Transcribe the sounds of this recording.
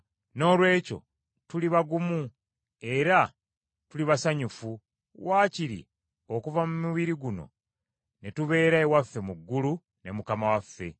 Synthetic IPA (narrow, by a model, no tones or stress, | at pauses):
no̞ːlwe̞ːco̞̰ | tuliβaɡumu | e̞ɾa | tuliβasaɲufu | waːciɾḭ | o̞kuvamumiβiɾiɡuno̞̰ | netuβe̞ːɾaewafːe̞muɡːulu | ne̞mukamawafːe̞̰